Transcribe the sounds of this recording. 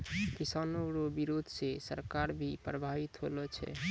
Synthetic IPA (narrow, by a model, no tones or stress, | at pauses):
kisanoɾobiɾod̪ʱsesə̰ɾkaɾbʱipɾəbʱabit̪ɦolɔt͡ʃʰɛ̰